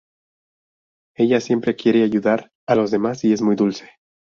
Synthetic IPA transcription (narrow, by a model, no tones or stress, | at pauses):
e̞ʝasje̞mpɾe̞kje̞ɾe̞aʝuðaɾ | alo̞zðe̞masie̞zmujðulse̞̥